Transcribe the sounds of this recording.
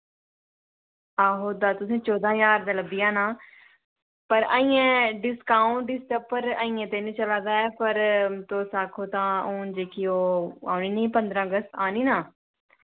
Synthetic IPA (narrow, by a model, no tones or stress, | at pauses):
aːɦoːd̪aːt̪ʊs̬ẽːt͡ʃɔːd̪ãːjaːɾd̪aːləbijãːnaː | pəɾa̰ːĩːẽːɖɪskaːʊ̃ɳʈɖɪsʈəpːəɾaːĩːẽːt̪eːnĩːt͡ʃəlãːd̪aːɛːpəɾt̪oːsaːkʰoːt̪ãːõːd͡ʒeːkioːa̰ːuniːnəĩːpə̃nd̪ɾãːəɡəst̪aːniːnaː